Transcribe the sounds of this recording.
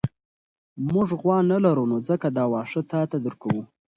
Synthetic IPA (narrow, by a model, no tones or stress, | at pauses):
mʊʐɣwɑnalaɾunozəkad̪ɑwɑʂət̪ɑt̪ad̪əɾkawu